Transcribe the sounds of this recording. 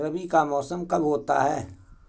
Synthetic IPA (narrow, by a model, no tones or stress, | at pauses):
ɾəbikamɔːsəmkɐbɦoːt̪a̰ɦɛː